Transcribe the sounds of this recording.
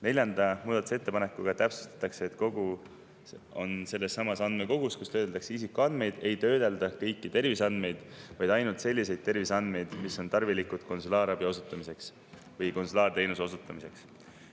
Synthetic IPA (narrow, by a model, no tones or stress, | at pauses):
ne̞lʲjɑnd̪̥ɑmuːd̪ɑt̪u̥set̪ːe̞pɑne̞kːˑuɡ̥ɑt̪æpsu̥st̪ɑ̥t̪ːˑɑkseːt̪ko̞ɡ̥u | o̞nse̞lːe̞sːɑmɑsɑnd̪me̞ko̞ɡ̥uskust̪øːd̪elt̪ɑkseisikːˑuɑnd̪̥me̞jd̪e̞jt̪ø̞ːd̪̥e̞ld̪̥ɑkɤ̞jkːit̪e̞rvisɑnd̪me̞jd̪̥vɑjd̪̥ɑjnult̪se̞lʲːise̞jd̪̥̚t̪e̞rvisɑnd̪̥me̞jd̪miso̞nt̪ɑrvilikːud̪̥ko̞nsulɑːɾɑbjio̞sut̪ːˑɑmise̞ks | vɤjko̞nsulɑːrt̪e̞jnuso̞sut̪ːˑɑmise̞ks